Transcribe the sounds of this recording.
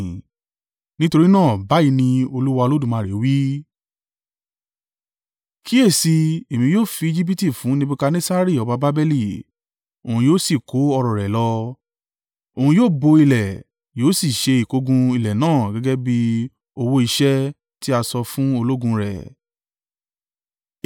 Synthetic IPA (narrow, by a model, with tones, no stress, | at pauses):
nĩ˦to˧ɾi˦nãː˦˨ba˨˦i˧nĩ˧o˧lu˦wa˧o˧lo˦dũ˦˨mã˧˨ɾe˨˦wi˦ | ki˦e˦˨si˧e˨mĩ˧joː˦˨fi˧i˧d͡ʒi˦p̬i˦ti˦˨fũ˨˦nĩ˦bi˦ka˧nẽ˦sa˦ɾi˦˨ɔ˨˧ba˧ba˦bɛ˦li˦˨ | o˨ũ˧joː˦si˨ko˨˦ɔ˧ɾɔ˨ɾɛ˨lɔ˧ | o˨hũ˧joː˦˨bo˧i˧lɛ˨ | joː˨˦si˦˨ʃe˧i˨ko˨˧ɡũ˧i˧lɛ˨nãː˦˨ɡɛ˨˦ɡɛ˦bi˦ | o˧wo˦i˧ʃɛ˦ | ti˦a˧sɔ˧fũ˦o˧lo˦ɡũ˧ɾɛ̰˨